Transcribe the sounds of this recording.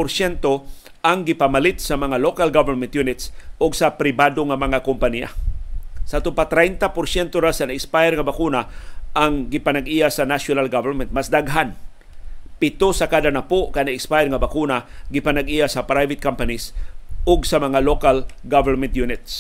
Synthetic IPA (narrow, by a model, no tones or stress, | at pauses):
ʊɾsjɛnt̪o | ʔaŋɡɪpamalɪt̪̚sɐmɐŋalokalɡavɛɾmɛnt̪junɪt̪sʔʊɡsapɾɪbad̪oŋamɐŋakʊmpanija̰ | saʔt̪ʊmpat̪ɾɛjnt̪apʊɾsjɛnt̪oɾasanaɪkspajɛɾŋabakunaʔaŋɡɪpanaɡʔijasanasjonalɡavɛɾmɛnt̪̚masd̪aɡɦan | pɪt̪osakaːd̪anapoʔkanaɪkspajɛɾŋabakunaɡɪpanaɡijasɐpɾajvɪt̪̚kampanisʔʊɡsamɐŋalokalɡavɛɹmɛnt̪junɪt̪s